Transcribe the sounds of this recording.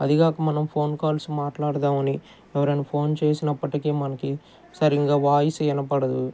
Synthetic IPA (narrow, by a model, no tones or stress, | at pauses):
ɐ̰d̪iɡaːkɐmɐnɐmpʰo̞ːnkaːlsumaːʈlaːɽd̪aːmɐni | ɛʋɐɾɐnɐpʰo̞ːnt͡ʃe̞ːsinɐpːɐʈikeːmɐnɐki | sɐɾiŋɡaːʋaːjisiɛnɐpɐɽɐd̪u